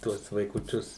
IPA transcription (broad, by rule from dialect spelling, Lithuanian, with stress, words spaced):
ˈtuɔs ʋɐɪkʊˈt͡ʃʲʊs